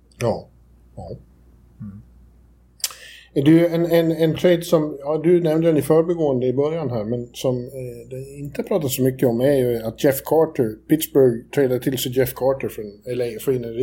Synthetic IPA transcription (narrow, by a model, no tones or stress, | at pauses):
jɑː | jɑː | ɛd̪ɵɛnɛnɛnt̪ʰɾɛɪd̪sɔmjɑd̪ɵnɛmnd̪əd̪ɛnɪfœːɾəbɛɡoːənd̪əɪbœɾjanɦæːɾmɛnsɔmd̪ɛɪnt̪əpʰɾɑːt̪at̪sɔmʏkːəɔmæɾjɵat̪̚d͡ʒɛfkʰɑːʈəɾpɪt̪sbœɾɡt̪ʰɾɛːd̪at̪ʰɪlsɛd͡ʒɛfkʰɑːʈəɾfɾɔnɛlːəfinə